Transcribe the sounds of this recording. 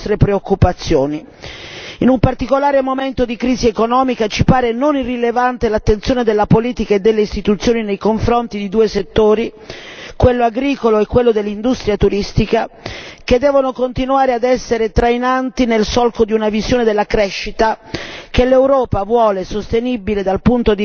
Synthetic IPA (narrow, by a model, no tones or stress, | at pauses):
t̪ɾepɾeokːupat̪sːjoːni | inumpart̪ikolaːɾemoment̪od̪ikɾiːziekonɔːmikat͡ʃipaːɾenonirːilevant̪elat̪ːent̪sjoːned̪elːapoliːt̪ikaed̪ːelːeist̪it̪ut̪sːjoːninejkoɱfɾont̪id̪id̪uːeset̪ːoːɾikwelːoaɡɾiːkoloɛkːwelːod̪elːind̪ust̪ɾijat̪uɾist̪ikaked̪ːɛːvonokont̪inuaːɾead̪ɛsːeɾet̪ɾajnant̪inelsɔlkod̪iunavizjoːned̪elːakɾɛʃːit̪akelːewɾɔːpavwɔːlesost̪enibiled̪alpunt̪od̪